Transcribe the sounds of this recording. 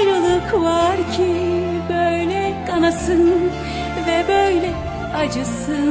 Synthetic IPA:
jɾɯlˠukvaɾcʰi | bøjlʲɛkʰanasɯn | vɛbøjlʲɛ | ad͡ʒɯsɯn

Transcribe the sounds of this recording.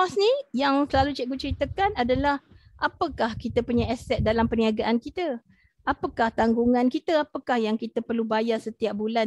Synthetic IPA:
ɔsnijaŋsəlalut͡ʃɛʔ̚ɡut͡ʃəɾit̪əkanadalahʔapəkahkit̪əpuɲaɛsɛt̪̚dalampəniaɡaʔankit̪ə | ʔapəkaht̪aŋɡuŋãnkit̪əapəkahjaŋkit̪əpərlubajarsət̪iap̚bulan

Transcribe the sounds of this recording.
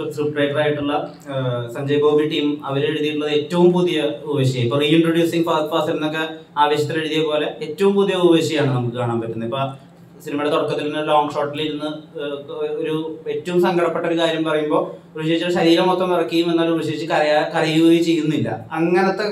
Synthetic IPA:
fuʈreːʈɐraːjiʈːuɭːɐ | sɐɲd͡ʑɐjboːbiʈiːmɐʋɐɾeɽuðijuɭːɐðetːɐʋumpuðijɐuʋeːɕjɐjɐipːoriːiɳʈroɽjuːsiŋɡfaːsfaːsiɾunːo̞kːe̞aːʋɐɕjɐt̪ːileɽuðijɐpo̞ːle̞etːɐʋumpuðijɐubɐʋeːɕɐjaːɳɨnɐmukːɨkaːɳaːmpɐtːunːɐipːoːɭ | sinimɐɽet̪oɽɐkːɐt̪ːilinːɨloːŋɡʂo̞ːʈːiliɾunːɨ | oɾuetːɐʋumsɐŋɡʱɐɽɐpːe̞ʈːo̞ɾukaːɾjɐmpɐrɐjumbo̞ːoɾut͡ɕejit͡ɕːɐɨɕɐɾiːɾɐmot̪ːrɐmirɐkːɐɐjumenːaːlubɐɕɐit͡ɕːɨkɐjakɐrijuit͡ɕe̞jːunːilːɐ̰ɐŋːɐnɐt̪ːe̞

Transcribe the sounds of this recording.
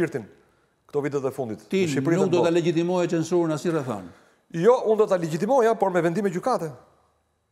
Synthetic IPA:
iɾt̪in | kt̪ɔvit̪̬ɛðɛfund̪it̪t̪iʃipɾinuk̚d̪ɔt̪alɛd͡ʑit̪imɔjat͡ʃɛnsunasɲirɛθa̰n | jɔʔund̪ɔt̪alɛd͡ʑit̪̬imɔjapɔɾmɛvɛnd̪imɛɟykat̪ɛ

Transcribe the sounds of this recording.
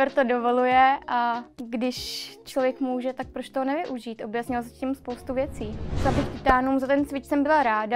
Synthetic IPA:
ɾt̪odo̞vo̞lujɛʔaɡdɪʃt͡ʃlovjɛkmuːʒɛt̪ak̚pɾot͡ʃt̪oɦonɛvɪʔuʒiːt̪ʔo̞bjasɲɪlzacimspo̞wst̪uvjɛt͡siːlabɪxt̪ɪt̪aːnuːmzat̪ɛnt͡svɪt͡ʃsɛmbɪlaɾaːda

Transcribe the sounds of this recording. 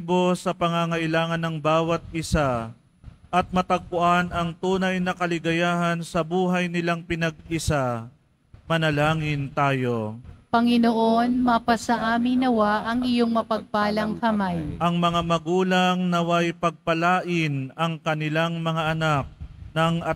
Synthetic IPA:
bo̞sɐpɐŋaŋɐʔɪlaːŋɐnːɐŋbaːwɐt̪̚ɪsa | ʔɐt̪̚mɐt̪ɐɡ̚pʊʔanɐŋt̪uːnɐjnɐkɐlɪɡɐjaːhɐnsɐbuːɦɐjnɪlaŋpɪnɐɡ̚ɪsa | mɐnɐlaːŋɪnt̪aːjo̞pɐŋɪnoʔonmapasɐʔaːmɪŋnɐwaʔɐŋɪjoŋmɐpɐɡ̚paːlɐŋkɐmajʔɐŋmɐŋamɐɡuːlaŋnɐwajpɐɡ̚pɐlaːʔɪnɐŋkɐnɪlaŋmɐŋaʔɐnak̚nɐŋɐ

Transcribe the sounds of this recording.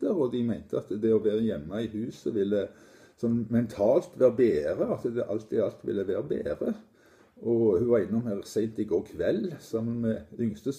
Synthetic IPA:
əɾɔd̪ɪmæɪnt̪əɑt̪d̪ɛɔʋæːʁəjɛmːɑɪhʉːsəʋɪlːə | sɔnːmɛnt̪ʰɑːlt̪ʋæːɾəbeːɾəɑt̪əd̪ɛʔɑlt̪ʰiɑlt̪ʋɪ̰lːəʋeːɾəbḛːʁə | ʔɔhʉʋɑɾɪnːʊmæːʁsæɪnt̪ɪɡoːkʰʋɛlːsɑmːənmɛʏŋst̪əs

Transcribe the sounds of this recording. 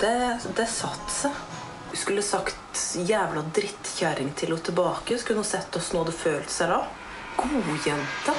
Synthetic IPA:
d̪̥ɛd̪ɛsɑt̪ːs | skʉlːəsɑkt̪jæːʋlɑd̪ɾɪt̪ːçæɾɪŋt̪ʰɪlɔt̪ʰɪlbɑːkəskʉnəɑsɛt̪ːɔsnoːd̪əføːlt̪sɛlɑ | ɡ̥uːjɛnt̪ə

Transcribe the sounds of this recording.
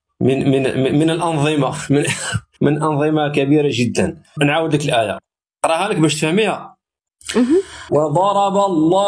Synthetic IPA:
məməmənəlʔɑnðˤəmamə | mənʔɑnðˤəmɑkæbiɾaʒəd̪ːənnʕawəd̪əkəlʔæja̰ | qɾˤɑhæləkbæʃt̪fæhmihæ | wəd̪ˤɑɾˤɑbɑlˤːɑ

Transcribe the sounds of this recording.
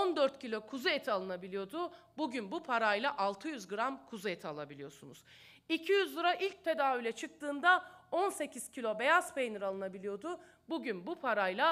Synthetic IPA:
ond̪øɾt̪cʰilʲo̞kʰuzuɛt̪ʰalˠɯnabilʲijo̞d̪ʊ | buɟynbupʰaɾajlˠaʔalˠt̪ʰɯjyzɡɯɾamkʰuzuɛt̪ʰialˠabilʲijo̞sunuz̥ | icʰijyzlˠɯɾaʔilʲc̚t̪ʰe̞d̪aːvylʲɛt͡ʃʰɯk̚t̪ʰɯːnd̪ao̞nse̞cʰiz̥cʰilʲo̞be̞jazpejniɾalˠɯnabilʲijo̞d̪ʊ | buɟynbupʰaɾajlˠa

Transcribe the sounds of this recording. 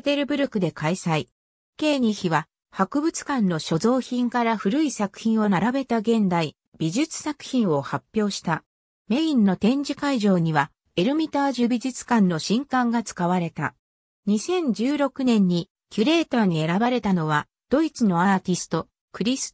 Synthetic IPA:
et̪e̞ɾɯ̟bɯ̟ɾɯkɯ̟d̪e̞kaisai | ke̞ːɲ̟içiβa | hakɯ̟bɯ̟t͡sɨ̥kãnːo̞ɕo̞zo̞ːçĩŋkaɾaɸɯ̟ɾɯ̟isakɯ̟̥çĩɰ̃o̞naɾabe̞t̪aɡẽ̞nd̪ai | b̥ʲiʑit͡sɨ̥sakɯ̟̥çĩɰ̃o̞hapʲːjo̞ːɕi̥t̪a | me̞ĩnːo̞t̪ẽ̞ɲ̟d͡ʑikaiʑo̞ːɲ̟iβa | e̞ɾɯ̟mʲit̪aːʑɨbʲiʑɨt͡sɨ̥kãnːo̞ɕĩŋkãŋɡat͡sɨ̥kaβ̞aɾe̞t̪a̰ | ɲ̟isẽ̞ɲ̟d͡ʑɨːɾo̞kɯ̟nẽ̞ɲ̟ːi | kʲɯɾe̞ːt̪aːɲ̟ie̞ɾabaɾe̞t̪ano̞β̞a | d̪̥o̞it͡sɨno̞at̪ʲisɨ̥t̪o̞ | kɯ̟ɾʲis

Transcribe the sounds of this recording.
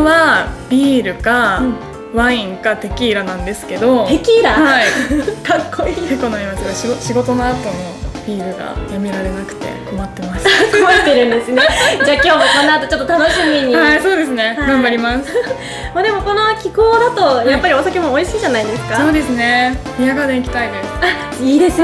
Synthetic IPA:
βabʲiːɾɯ̟ka | βaĩŋkat̪e̞kʲiːɾanãnd̪e̞sɨ̥ke̞d̪o̞t̪e̞kʲiːɾahaikʰakʰːoiekonaimasɨaɕioɕiɡo̞t̪o̞noat̪o̞nob̥ʲiːɾɯ̟ɡa̰jamʲiɾaɾe̞nakɯ̟̥t̪e̞̰komat̪ːe̞masɨ̥koit̪e̞ɾɯ̟̃nd̪e̞sɨned͡ʑaːkʲo̞ːmokõ̞nːaːt̪ot͡ɕo̞t̪ːot̪anoɕimʲiɲ̟ihaiso̞ːd̪e̞s̬ɨne̞ɡãmbaɾʲimasɨ̥ | mad̪e̞mo̞ko̞no̞kʲiko̞ːd̪at̪o̞japːaɾʲio̞sake̞mo̞ːiɕiːʑanaid̪esɨ̥kaso̞ːd̪e̞sɨne̞mʲijakad̪ẽikʲi̥t̪aid̪e̞sɨ̥a | iːd̪e̞sɨ

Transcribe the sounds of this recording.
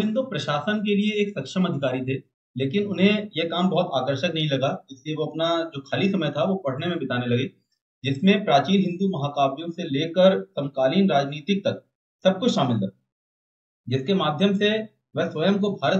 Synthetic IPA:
ɪ̃nd̪upɾɐʃaːsənk̬elieeːksɐkʃəmɐd̪ʱɪkaːɾit̪ʰeː | leːkɪnʊnɦẽjekaːmbɐɦʊt̪aːkəɾʃəknɐɦĩlɐɡad͡ʒɪslieʋoɐpnad͡ʒoːkʰaːlisɐməjt̪ʰaʋopɐɽ̤nemẽbɪt̪aːnelɐɡeː | d͡ʒɪsmẽpɾaːt͡ʃiːnɦɪ̃nd̪umɐɦaːkaːbjõseleːkəɾsɐ̃mkaːliːnɾaːd͡ʒniːt̪ɪk̚t̪ɐk̚ | sɐb̚kʊt͡ʃʰʃaːmɪlt̪ɐ | d͡ʒɪskemaːd̪ʱjəmse | ʋɛɦsʋɐjəmkobʱaːɾə

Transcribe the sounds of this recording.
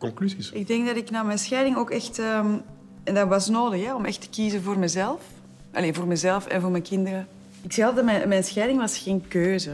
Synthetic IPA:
kɔŋklyzisɪɡ̚dɛŋɡdɑdɪknaːmɛnsxɛːdɪŋoːkɛxtəːm | ɛndɑʋɑsnoːdəxɛɔmɛxtə̥kiːzəvoːrmɛzɛlˠf | ʔɑ̰leːvoːrmɛzɛlˠfɛ̰nvoːrmɛnkɪndəɾə | ɪksɛɑldmɛmɛnsxɛːdɪŋʋɑsxeːnkøːzə

